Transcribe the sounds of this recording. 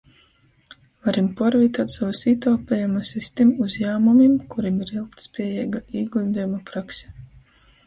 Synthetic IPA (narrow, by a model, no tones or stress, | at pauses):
vaɾimpɔɾvit̪at̪sawusiːt̪alpʲɛjumasisʲt̪imuzjaːmumimkuɾimiɾilˠk̚t̪spʲiɛjɛːɡaiːɡulʲd̪ʲijumapɾaksʲɛ̥